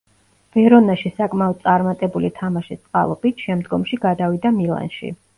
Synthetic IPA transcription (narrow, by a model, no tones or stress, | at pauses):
v̥ɛɾɔnaʃisakʼmaɔd̪̚sʼaɾmat̪ʼɛbulit̪ʰamaʃist̪sʼqʼa̰lˠɔ̰bit̪ʃɛmd̪ɡɔmʃiɡad̪avid̪amilˠa̰nʃḭ